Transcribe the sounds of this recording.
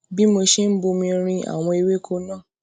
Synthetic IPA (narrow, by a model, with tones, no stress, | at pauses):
bi˦mo˧ʃe˦m̩˦bo˧mĩ˧ɾ̃ĩ˧a̰˨w̃ɔ̃˧i˧we˦kʰo˦nã˦˨